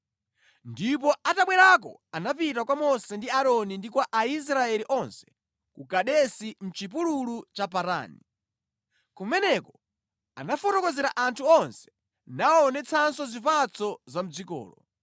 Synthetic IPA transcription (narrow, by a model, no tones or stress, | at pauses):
ndipɔataɓwɛɾak̬ɔ̰anapitakwamɔsɛndiaɾɔnindikwaʔais̬ɾaɛliʔɔnsɛ̥ | kukaɗɛsin̩t͡ʃip̬ululut͡ʃapaɾa̰ːni | kumɛnɛkɔ | a̰nafɔtɔkɔzɛɾaʔantʰuɔnsɛ̥ | naɔːnɛt͡sʰansɔzipat͡sʰɔzam̩d͡zikɔ̰ːlɔ